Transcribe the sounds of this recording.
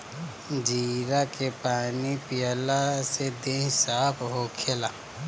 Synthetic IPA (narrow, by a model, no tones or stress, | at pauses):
d͡ʒiːɾakepaːnipɪjəlased̪esaːpʰɦoːkʰela